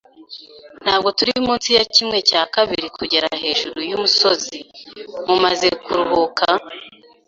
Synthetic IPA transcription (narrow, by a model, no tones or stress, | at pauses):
n̥haːbɡo̞tuɾimuːnsijacimŋe̞caːkaβiɾikuɟe̞ɾa̰he̞ːʒuɾujumuso̞zimumaze̞kuɾuβukʰa